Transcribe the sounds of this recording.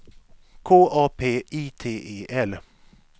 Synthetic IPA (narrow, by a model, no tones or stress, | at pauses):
kʰoːʔɑːpʰeːʔiːt̪ʰeːʔeːʔɛl